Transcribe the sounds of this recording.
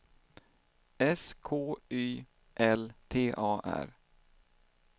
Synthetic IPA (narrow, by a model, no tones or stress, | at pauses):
ɛskʰoːyː | ʔɛlt̪ʰeːʔɑːʔæ̰ɾ